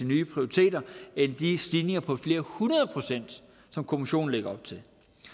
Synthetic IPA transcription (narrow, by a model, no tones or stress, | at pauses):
inyːpʰʁioʁit͡sʰe̝̰ːdɐend̥isd̥iːne̝ŋɐpʰɒ̽fle̝ːɐhunɐð̞ˠəpʰʁo̝sen̰d̥ | sɒ̽mkʰo̝miɕo̝̰ːn̩leɡ̥ɐɒ̽b̥̚t͡sʰe̝l